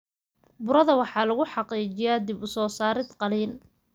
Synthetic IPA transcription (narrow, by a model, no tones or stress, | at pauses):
bʊɾɐðɐwɑħɑːlɐɣʊħɑqiːt͡ʃɪjaːd̪ɪbʊsɔːsaːɾɪd̪qɑliːl